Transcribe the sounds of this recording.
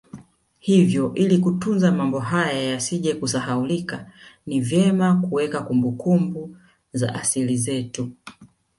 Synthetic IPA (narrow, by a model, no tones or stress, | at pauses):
hivjɔʔilikutunzamambɔɦajajasiʄɛkusaɦaulikanivjɛmakuwɛkakumbukumbu | za̰ʔasilizɛtu